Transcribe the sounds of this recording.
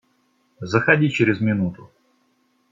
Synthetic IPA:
zəxɐdʲit͡ɕɪɾʲɪzmʲɪnut̪ʊ

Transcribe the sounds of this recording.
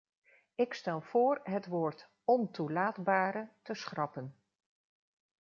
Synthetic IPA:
ɪkstɛlˠv̥ʊːrɦətʋoːɹt | ɔntulaːdbaːɾətəsχrɑpən

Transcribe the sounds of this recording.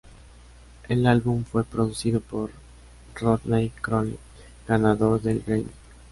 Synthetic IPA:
e̞lalβuɱfwe̞pɾoðusiðopo̞ɾ | roðnejkɾon | ɡ̥anaðo̞ɾðe̞lrejn

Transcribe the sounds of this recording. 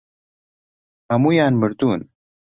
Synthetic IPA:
hɐmuːjaːnmɨɾd̪uːn

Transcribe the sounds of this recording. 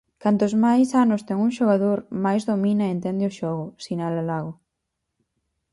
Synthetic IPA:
kant̪ozmajsanost̪ɛŋuŋʃoɣ̞aðoɾmajzðomĩnaent̪ɛnd̪eoʃɔɣosinalalaɣo

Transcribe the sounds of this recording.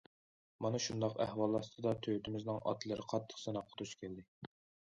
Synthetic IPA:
mɑnɨʃund̪ɑqæhwɑlˠːɑst̪ɨd̪ɑt̪ʰøwt̪ɪmɪznɪŋʔɑ̰t̪lˠɨɾɪqʰɑt̪ʰːə̥χsɨnɑqʰːət̪uʃkʲʰeld̪ɪ

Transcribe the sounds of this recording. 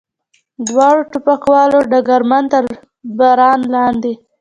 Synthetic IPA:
d̪wɑɽoʈʊpaxwɑloɖaɡaɾmant̪əɾ | baɾɑnlɑnd̪e

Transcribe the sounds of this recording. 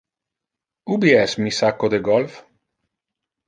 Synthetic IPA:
ubiɛsmisakːod̪eɡɔlf

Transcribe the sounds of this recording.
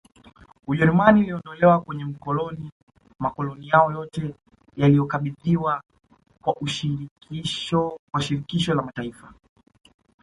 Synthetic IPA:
uʄɛɾumaniuliɔndɔlɛwakwɛɲɛm̩kɔlɔni | makɔlɔnijaɔjɔtɛ | jalijɔkaɓiðiwa | kwaʔuʃiikiɔwaʃiɾikiʃɔlamataifa

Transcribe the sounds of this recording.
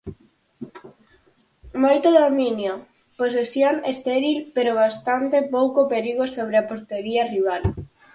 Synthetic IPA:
mojt̪oðomĩnjo | pos̬esjoŋest̪eɾilpeɾoβ̞ast̪ant̪epowkopeɾiɣosoβ̞ɾeapoɾt̪eɾiɐriβ̞al

